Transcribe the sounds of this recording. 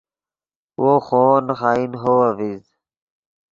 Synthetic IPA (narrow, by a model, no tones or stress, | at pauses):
woːxoːnxaːinɦoːɐviz